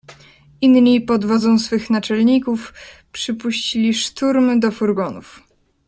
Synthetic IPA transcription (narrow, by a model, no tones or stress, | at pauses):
inɲipɔd̪vɔd̪zɔ̃w̃sfɘxnat͡ʂɛlɲikufpʂɘpuɕt͡ɕilʲiʂt̪uɾmɘd̪ɔfuɾɡɔnuf